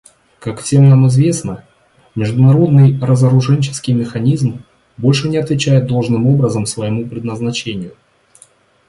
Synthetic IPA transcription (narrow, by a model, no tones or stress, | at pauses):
kakfsʲe̞mnamɨzvʲe̞snə | mʲɪʐd̪ʊnɐɾo̞d̪nɨjrəzəɾʊʐɛnʲt͡ɕɪ̥skʲɪjmʲɪxɐnʲizm | bo̞lʲʂɨnʲɪɐt̪vʲɪt͡ɕæjɪd̪̚d̪o̞lˠʐnɨmo̞bɾəzəmsvəjɪmupɾʲɪd̪nəznɐt͡ɕenʲɪjʊ